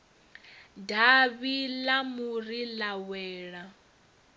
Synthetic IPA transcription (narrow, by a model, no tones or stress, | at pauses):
daβilamuɾilawɛːɺa